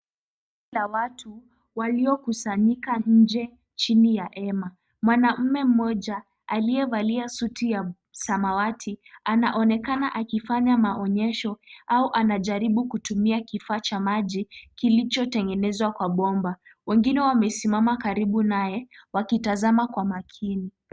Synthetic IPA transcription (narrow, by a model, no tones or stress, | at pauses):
ilawatʰu | waliɔkusaɲikaɲ̩d͡ʒɛ | t͡ʃinijaʔɛma | mwanam̩mɛm̩mɔʄa | aliɛvaliasutʰija | samawatʰianaʔɔnɛkanaʔakifaɲamaʔɔɲɛʃɔauʔanaʄaɾiɓukutumiakifaːt͡ʃamaʄikilit͡ʃɔtɛŋɡɛnɛzwakwaɓɔmbawɛŋɡinɛwamɛsimamakaɾiɓunajɛwakitazamakwamakʰini